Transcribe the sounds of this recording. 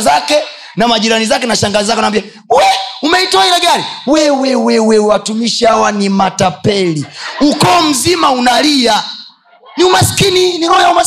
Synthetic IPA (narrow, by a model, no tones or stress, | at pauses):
zakɛ | namaʄiɾanizakɛnaʃaŋɡazizakɛunambia | uwɛumɛitɔahilɛɡaɾiwɛwɛwɛwɛuwatumiʃihawanimatapɛliukɔːm̩zimaunalia | numasi̥kininiɔjauma